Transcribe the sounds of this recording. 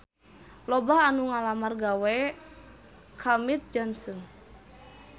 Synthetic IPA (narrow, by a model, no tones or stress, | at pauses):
lɔbaɦanuŋalamarɡawɛ | kʰamit̪̚d͡ʒɔnsɔn